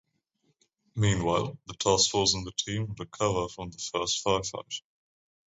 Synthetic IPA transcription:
mĩːnwaɪlˠðətʰɑˑskfɔːzə̃nðətʰĩːməɾəkʰʌvəfɹə̃mðəfɜˑstfaɪfa̰ɪt

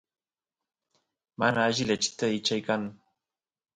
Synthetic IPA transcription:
manaːʒilet͡ʃi̥t̪əit͡ʃajkaŋ

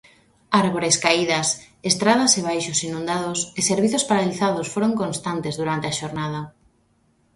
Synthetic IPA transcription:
aɾβoɾeskaiðɐs | est̪ɾað̞aseβ̞ajʃʊsinũnd̪aðʊseseɾβiθʊspaɾaliθaðosfoɾoŋkõnst̪ant̪ezðuɾant̪eaʃoɾnað̞ɐ

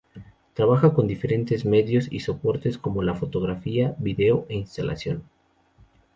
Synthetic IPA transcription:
t̪ɾaβaxako̞nd̪ife̞ɾe̞nt̪e̞zme̞ðjo̞sḭso̞po̞ɾt̪esko̞mo̞lafo̞t̪o̞ɣɾafiaβiðe̞oʔeinst̪alʔa̰sjo̞̰n

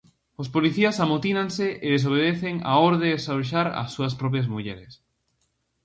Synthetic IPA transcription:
ʊspoliθiɐsamot̪inaŋsɪʔeðes̬oβ̞eðeθeŋa̰oɾðeːsaʃ̬aɾɐ̰sːuɐspɾɔp̬jɐzmuʎɛɾes

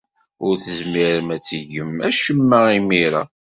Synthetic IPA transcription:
ʊɾθəzmiɾəmæt͡sːəʝəmæʃəmːæimiɾa̰

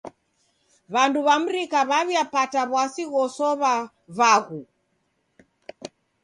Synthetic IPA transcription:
βanduβam̩ɾikaβaβjapataβwasiɣɔsɔβa | βaɣu

